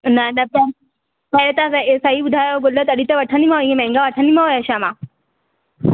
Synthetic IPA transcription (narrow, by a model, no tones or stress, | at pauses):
nɐnɐpɐ | pɐɾet̪ãsɐsɐɦiɓʊd̪ʱajoɡolət̪ɐɗit̪ɐʋɐʈʰənimãɦoemɛ̃ŋɡaʋɐʈʰənimãɦojɐɕãmãː